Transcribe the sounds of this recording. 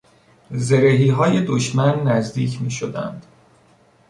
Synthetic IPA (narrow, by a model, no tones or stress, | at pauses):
ze̞ɾeɦiːɦɒːje̞d̪oʃmænːæzd̪iːcʰmiːʃod̪æ̰nd̪̥